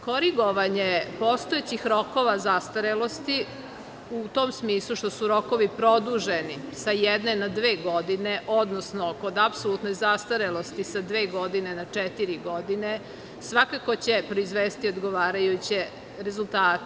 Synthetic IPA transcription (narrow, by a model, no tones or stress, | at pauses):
ko̞ɾiɡo̞ʋaɲepo̞st̪oet͡ɕixɾo̞ko̞ʋazast̪aɾelo̞st̪i | ut̪oːmsmiːslˠuʃt̪osuɾo̞ko̞ʋipɾo̞d̪uʒenisajɛd̪nenad̪ʋe̞ːɡo̞d̪ineʔo̞d̪nosnoko̞d̪apsolut̪nojzast̪aɾelˠo̞st̪isad̪ʋe̞ːɡo̞d̪inenat͡ʂɛt̪iɾiɡo̞d̪ine | sʋakako̞t͡ɕepɾo̞izʋeːst̪iod̪ɡo̞ʋaːɾajut͡ɕe | ɾezulˠt̪aːt̪